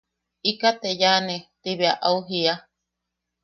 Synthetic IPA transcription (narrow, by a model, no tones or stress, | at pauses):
ikat̪ejanet̪iβeaʔauɦia